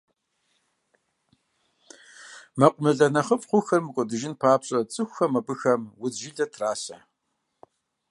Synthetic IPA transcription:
mɐqʷʼʊmɨɮɐnɐχəpʼχʷʊxɐrmɨkʷʼɔdɨʒɪnpʰaːpɕʼɐt͡sʼɨxʷxɐmɐbɨxɐmwʊzʒɪɮɐtʰraːsɐ

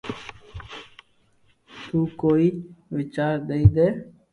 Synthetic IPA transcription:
t̪uːkoːiʋɪt͡ʃaːɾd̪eid̪eː

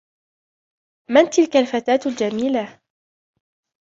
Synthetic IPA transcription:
mant̪ɪlkalfat̪aːt̪ld͡ʒamiːla

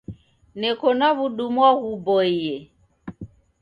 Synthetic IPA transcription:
nɛkɔnaβuɗumwaɣubɔiɛ

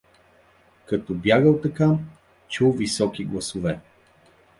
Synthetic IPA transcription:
kɐt̪ɔbjaɡəlˠt̪ɐka | t͡ʃulˠvisɔk̟iɡlˠɐsʊvɛ

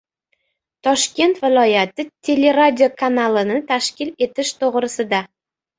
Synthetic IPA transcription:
t̪ʰɒʃkʲe̞nt̪vɪlˠɒjat̪ɪt̪ʲʰe̞le̞ɾad̪ʲiokʰanalˠɪnɪt̪ʰaʃkʲɪle̞t̪ɪʃt̪ʰoʁɾɪsɪd̪a

